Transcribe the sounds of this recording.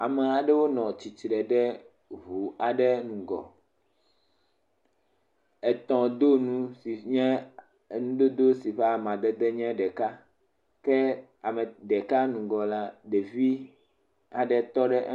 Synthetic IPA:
a˨mɛ˨a˨ɖɛ˦wo˦nɔ̃˨t͡ɕi˨t͡ʃɾɛ˨ɖɛ˦ | βu˨a˨ɖɛ˦nũ˨ɡɔ̰˨ | ɛ˨t̪ɔ̃˨d̪o˦nũ˦si˨ɲɛ̃˦˨ | nũ˦ɖo˦d̪o˦si˨ɸe˦a˨mã˨d̪ɛ˦d̪ɛ˦ɲɛ̃˦ɖɛ˨ka˦ | kɛ˦a˨mɛ̃˨ɖɛ˨ka˦nũ˨ɡɔ˨la˦ɖe˨vi˦ | a˨ɖɛ˨t̪ɔ˦ɖɛ˦ʔ

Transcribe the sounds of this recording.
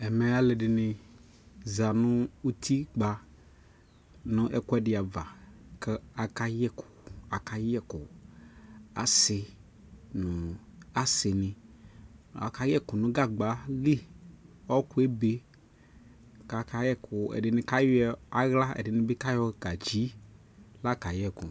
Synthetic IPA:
ɛ˨me˨a˦le˨ɖɪ˨nɪ̃˨ | za˨nʊ̃˦u˦t̪ʰi˦ɡ͡ba˨ | nʊ̃˦ʔɛ˦kʊ˦ɛ˦ɖɪ˨a˨va˨kɛ˦a˨ka˦jɛ˦kʰʊ̥˨a˨ka˦jɛ˦kʊ˨ | a̰˨sɪ˨ | nʊ̃˨a˨sɪ˨nɪ̃˨ | a̰˨ka˦jɛ˦kʊ˨nʊ̃˦ɡa˦ɡ͡ba˨˦li˦ɔ˦ku˦e˦be˦ | ka˨ka˦jɛ˦kʰʊ˨ɛ̰˨ɖɪ˨nɪ̃˨ka˦jɛ˦a˨ɣla˦ḛ˨ɖɪ˨nɪ̃˦be˦ka˦jɔ˦ka˨d͡ʒi˨˦ | la˦ka˨jɛ˦kʊ˨

